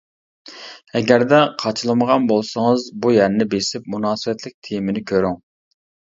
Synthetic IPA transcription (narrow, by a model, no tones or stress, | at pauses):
ɛɡʲæɾd̪ɛqʰɑt͡ʃʰɨlˠɨməʁɑnbolˠsəŋəzbujæɾnɪbesɪpmunɑːsɨwɛt̪lɪk̚ʲt̪ʰejmɪnɪkʲʰøɾyŋ